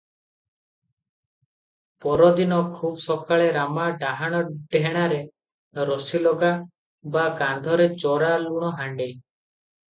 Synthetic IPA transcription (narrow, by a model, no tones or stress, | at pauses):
pɔɾɔd̪inɔkʰubɔsɔkaɭeɾamaɖaɦaɽ̃ɔɖɦeɽ̃aɾe | ɾɔsilɔɡa | bakand̪ʱɔɾet͡ʃɔɾaluɽ̃ɔɦaɳɖej